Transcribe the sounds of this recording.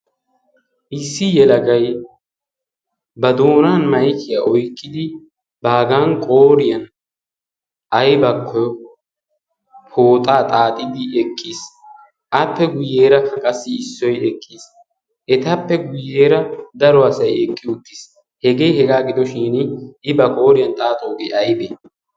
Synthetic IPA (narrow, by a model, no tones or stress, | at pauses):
ʔɪsːɪjɛlɐɡɐj | bɐd̪o̞ːnaːnmɐjkːɪjaʔɔjkːɪd̪ɪ | baːɡaːnkʼoːɾɪjɐn | ʔɐjbɐkʰːɔjɔ | pʰoːt̪ʼaːt̪ʼaːt̪ʼɪd̪ɪʔɛkʼːis | ʔɐpːɛɡʊjːeːɾɐhɐkʼɐsːɪːsːɔjɛkʰʼːiːs | ʔɛt̪ɐpːɛɡʊjːeːɾɐd̪ɐɾɔɐsɐjɛkʼːɪʊt̪ːis | hɛɡe̞ːhɛɡaːɡɪd̪ɔʃiːnɪbɐkʼo̞ːɾɪjɐnt̪ʼaːt̪ʼoːɡɛʔɐjbeː